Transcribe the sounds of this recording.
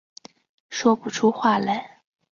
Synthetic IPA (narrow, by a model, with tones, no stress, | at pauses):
ʂwɔ˥pu˥˨˩ʈ͡ʂʰu˥xwa˥˩la˧˩ɪ